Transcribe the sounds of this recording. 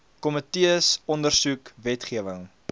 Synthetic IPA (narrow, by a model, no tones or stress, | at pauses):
kɔmətiəsɔndərsukvɛtχiəvəŋ